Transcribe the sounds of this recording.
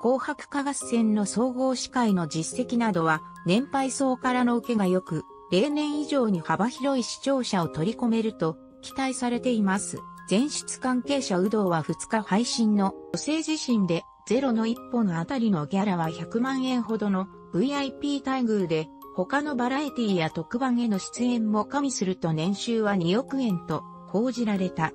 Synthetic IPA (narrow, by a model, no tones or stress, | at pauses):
ko̞ːhakɯ̟̥kaɡassẽ̞nːo̞so̞ːɡo̞ːɕi̥kaino̞d͡ʑise̞kʲinad̪o̞βa | nẽ̞mpaiso̞ːkaɾano̞ɯ̟ke̞ɡajo̞kɯ̟ | ɾe̞ːnẽ̞ɰ̃iʑo̞ːɲ̟ihabaçiɾo̞iɕi̥t͡ɕo̞ːɕao̞t̪o̞ɾʲiko̞me̞ɾɯ̟t̪o̞ | kʲi̥t̪aisaɾe̞t̪e̞imasɨ̰d͡zẽ̞ɰ̃ɕi̥t͡sɨ̥kãŋke̞ːɕaɯ̟d̪o̞ːβaɸɯ̟t͡sɨ̥kahaiɕĩnːo̞jo̞se̞ːʑiɕĩnd̪e̞ | z̥e̞ɾo̞no̞ipːo̞no̞at̪aɾʲino̞ɡeaɾaβ̞açakɯ̟mãɰ̃ẽ̞ɰ̃ɦo̞d̪o̞no̞ | ɯ̟iaipʲiːt̪aiɡɯ̟ɾɯ̟d̪e̞ | ho̞kano̞baɾait̪ʲiːjat̪o̞kɯ̟bãɰ̃e̞no̞ɕi̥t͡sɨẽ̞mːo̞kamʲisɨɾɯ̟t̪o̞nẽ̞ɰ̃ɕɨːβaɲio̞kɯ̟ẽ̞nt̪o̞ | ko̞ːʑiɾaɾe̞t̪a